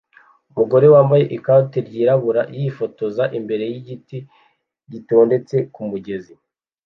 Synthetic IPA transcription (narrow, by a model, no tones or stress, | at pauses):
umuɡo̞ɾe̞waːmbaje̞ʔikateɾɟiːɾaβuɾajifo̞to̞zaʔimbe̞ɾe̞jiɟiti | ɟito̞ːnde̞t͡se̞kumuɟe̞zi